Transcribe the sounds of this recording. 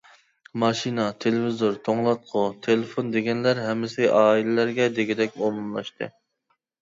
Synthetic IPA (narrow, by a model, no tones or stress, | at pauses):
mɑʃinɑt̪ʰelɪvizoɾt̪ʰoŋlˠɑt̪̚qʰʊt̪ʰelefond̪eɡʲɛnlæɾɦɛmːɪsɪʔɑːilɪlæɾɡʲɛd̪eɡʲid̪ɛkʲbolˠmlˠɑ̰ʃt̪ʰɨ̰